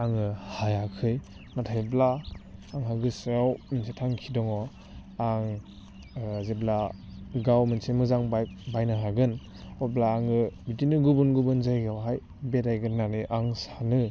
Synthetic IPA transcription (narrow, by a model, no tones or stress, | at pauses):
aŋɯhajakʰɯj | natʰajblaːŋɦaɡɯsajawminsetʰaŋkʰidɔŋɔ | aŋ | zeblaɡawmɯnsemɯzaŋbabajnaɦaɡɯn | ɔblaːŋɯbitinɯɡubunɡubɯnzajɡawɦaj | beɾajɡɯnːaniʔaŋsanɯ